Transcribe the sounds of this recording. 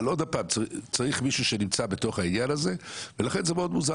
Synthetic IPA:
lo̞d̪apaːmt͡sat͡saʁiχmiʃuʃe̞nimt͡sabe̞to̞χainjanaze̞velaχe̞nzemeo̞d̪muza

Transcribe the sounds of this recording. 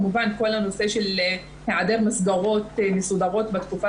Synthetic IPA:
muvankolhanoseʃel | heʕad̪eʁmasɡaʁot̪mesud̪aʁot̪bat̪kufa

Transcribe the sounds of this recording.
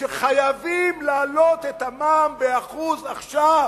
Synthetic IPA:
ʃeχajavimlaːlot̪et̪amaːmbeaχuzaχʃav

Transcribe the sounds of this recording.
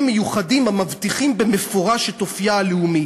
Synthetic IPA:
mejuχadimamavt̪iχimbemefo̞ʁaʃet̪ofjaaleumi

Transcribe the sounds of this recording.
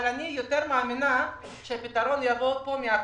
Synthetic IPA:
ɾanijot̪eɾmaːmɪna | t͡ʃepɪt̪aɾonjabot̪̚pomia

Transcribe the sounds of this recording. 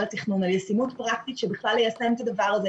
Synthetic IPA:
lat̪iχnunaljesimutpʁakt̪itʃɛbiχlalhejasɛmt̪ad̪avaʁazɛ

